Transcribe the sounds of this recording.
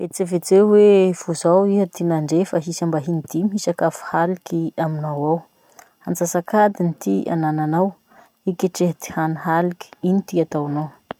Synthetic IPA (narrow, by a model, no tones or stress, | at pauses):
et͡sevet͡sewev̥uzawiɦət̪inaɳɖ͡ʐefaɦisambaɦinid̪̥imiɦisakafu̥halikiaminawaw | ant͡sasakad̪init̪iʔa̰nananaw | ikeʈ͡ʂeɦt̪i̥haniɦaliki̥init̪iat̪awnaw